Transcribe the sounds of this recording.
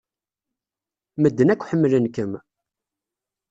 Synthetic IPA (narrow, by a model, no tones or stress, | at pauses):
məd̪ːənækʷːħəmːlənkəm